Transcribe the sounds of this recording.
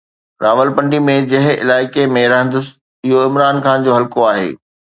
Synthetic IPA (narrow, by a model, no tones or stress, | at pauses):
ɾaːʋəlpɐ̃ɳɖimẽd͡ʑɐɦɪ̃ɪ̰laːɪkemẽɾɐɦə̃nd̪əs | ɪɦoɪmɾaːnxaːnd͡ʑoːɦɐlkoaːɦḛː